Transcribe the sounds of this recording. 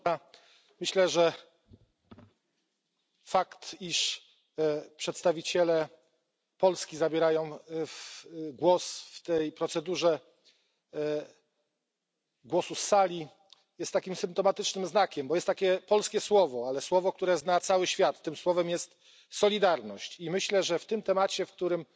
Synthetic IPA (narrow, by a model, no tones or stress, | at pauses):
a | mɘɕlɛʐɛ | fakt̪iʂ | pʂɛt̪st̪avʲit͡ɕɛlɛ | pɔlskʲizabʲjɛɾajɔ̃w̃fɡwɔsft̪ɛjpɾɔt̪sɛd̪uʐɛ | ɡwɔsusːalʲi | jɛst̪ːakʲimsɘmp̚t̪ɔmat̪ɘt͡ʂnɘmznakʲɛmbɔjɛst̪ːakʲɛpɔlskʲɛswɔvɔalɛswɔvɔk̚t̪uɾɛznat̪sawɘɕfʲjat̪ːɘmswɔvɛmjɛst̪ | sɔlʲid̪aɾnɔɕt͡ɕimɘɕlɛʐɛft̪ɘmt̪ɛmat͡ɕɛfk̚t̪uɾɘm